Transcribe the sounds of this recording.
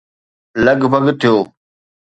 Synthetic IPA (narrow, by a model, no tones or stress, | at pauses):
ləɡbʱəɡt̪ʰːijoː